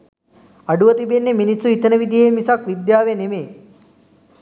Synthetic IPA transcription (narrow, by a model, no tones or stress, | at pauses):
ɐɖuʋət̪ibenːeminisːuit̪ənəʋid̪ʱijemisakʋid̪jaːʋenemeː